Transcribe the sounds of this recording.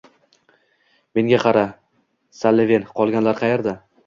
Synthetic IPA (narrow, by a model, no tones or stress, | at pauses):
me̞ŋɡʲaqʰɑɾa | salːɪve̞nqʰɒlˠɡʲanlaɾqʰɑjeɾd̪a